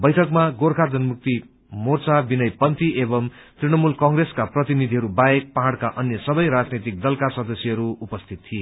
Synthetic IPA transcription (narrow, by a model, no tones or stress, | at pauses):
bʌjʈʰʌkmaɡoɾkʰad͡zʌnmuk̚t̪i | mort͡sabinʌjpʌnt̪iebʌm | t̪riñʌmulkʌŋɡɾeskaprʌt̪inid̪ʱiɦʌɾubaek̚paɦaɽkaʔʌnjʌsʌbʌjɾad͡znet̪ik̚d̪ʌlkasʌd̪ʌsjʌɦʌɾuupʌst̪ʰit̪̚t̪ʰije